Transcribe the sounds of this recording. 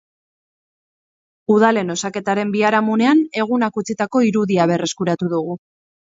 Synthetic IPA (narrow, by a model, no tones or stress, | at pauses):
uðale̞no̞sake̞t̪aɾe̞mbiaɾamune̞ane̞ɣ̞unakut͡sit̪ako̞iɾuðiaβ̞e̞re̞skuɾat̪uðuɣ̞u